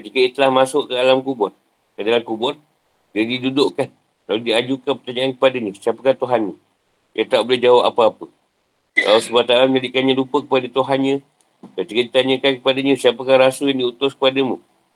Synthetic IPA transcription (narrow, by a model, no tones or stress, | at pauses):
kət̪ikəiət̪əlahmasʊʔkədalamkubɔt̪̚ | kədalankubɔt̪̚ | dadidudʊʔkan | laludiad͡ʒukanpərt̪aɲaankə̥padaɲə̃siapəkaht̪uɦanɲə | jat̪aʔbolɪhd͡ʒawapa̰pəapə | la̰lusəbat̪alamɲadiʔkanɲãlupəkə̥padat̪uɦanɲə̃ | kət̪ikədit̪aɲəkankəpadaɲəsiapəkahrasuljaŋdiut̪ʊskə̥padəmṵ̃